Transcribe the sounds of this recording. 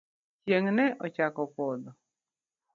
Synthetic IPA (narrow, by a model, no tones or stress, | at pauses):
t͡ʃjeŋnɛʔɔt͡ʃakɔpɔd̪ɔ